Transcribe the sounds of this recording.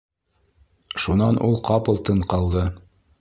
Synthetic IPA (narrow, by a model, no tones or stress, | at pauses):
ʃunɑnʔulˠqɑpɤ̆lˠt̪ɤɴqɑlˠd̪ɤ